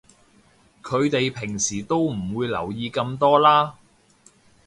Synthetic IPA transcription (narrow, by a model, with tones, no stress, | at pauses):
kʰɵ˨˧ɥt̪e˨jpʰɪ˨˩ŋsiː˨˩t̪o˥wm̩˨˩wuː˨˧jlɐ̰˨˩wjiː˧kɐ˧mt̪ɔː˥laː˥